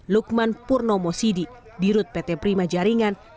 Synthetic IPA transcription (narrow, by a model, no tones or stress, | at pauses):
luk̚manpurnɔmɔsidi | diɾut̪̚pɛt̪ɛpɾimad͡ʒaɾiŋan